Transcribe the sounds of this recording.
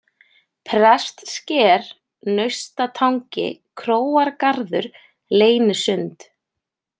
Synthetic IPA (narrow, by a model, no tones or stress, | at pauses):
pʰɾɛst̪scɛːɾ̥ | nœɥst̪at̪ʰawŋcɪ̰kʰɾoːwaɾkaɾðʏɾ | leːjnɪsʏnt̪